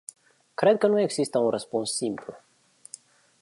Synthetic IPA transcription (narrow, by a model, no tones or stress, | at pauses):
kɾe̞d̪̚kənue̞ɡzist̪əunrəspunsːimplu